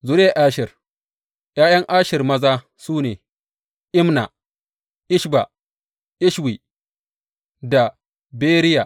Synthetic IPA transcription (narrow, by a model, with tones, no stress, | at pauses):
zʊ˦ɾeː˦ʔaː˦ʃɪ˨r | jaː˦jɐ˦ŋʔaː˦ʃɪ˨rmɐ˦zaː˦ | suː˦neː˨ | ʔɪ˦mna˨ | ʔɪ˦ʃba˨ | ʔɪ˦ʃwi˨ | da˨ | beː˦ɾɪ˦ja˨